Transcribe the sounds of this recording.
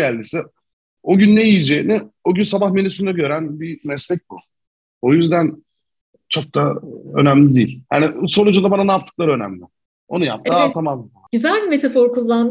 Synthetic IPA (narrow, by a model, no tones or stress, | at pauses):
ælʲd̪isɪ | o̞ɟynːejijid͡ʒeːinɪo̞ɟynsabaxme̞nysynd̪ɛɟø̞ɾænbimɛslʲɛc̚ʲbu | o̞jyzd̪æn | t͡ʃʰo̞k̚t̪ʰaø̞̰næmlʲid̪iːlʲja̰niso̞lˠud͡ʒund̪abananaːp̚t̪ʰːɯ̥klˠaɾø̞næ̰mlʲɪ | o̞̰nuja̰p̚t̪ʰɯaat̪ʰamam | yzælʲbimet̪ʰafɔɾkʰulˠːand̪